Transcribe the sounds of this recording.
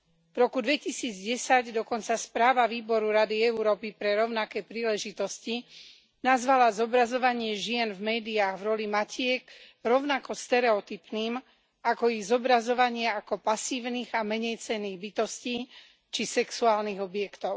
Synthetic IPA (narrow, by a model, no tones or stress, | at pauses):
vɾɔkud̪ʋɛcisiːd͡zɟɛsaɟd̪ɔkɔnt͡saspɾaːʋaʋiːbɔɾuɾad̪iɛuɾɔːpipɾɛɾɔʊnakɛːpɾiːlɛʒit̪ɔsci | nazʋalazɔbɾazɔʋaɲɪɛʒɪɛnvmɛːd̪iaːɣvɾɔlimacɪɛɡ | ɾɔʊnakɔst̪ɛɾɛɔt̪ipniːm | akɔiɣzɔbɾazɔʋaɲɪɛakɔpasiːʋniːɣamɛɲɛjt͡sɛnːiːɣbit̪ɔsciː | t͡ʃisɛksuaːlniɣɔbɪjɛkt̪ɔʊ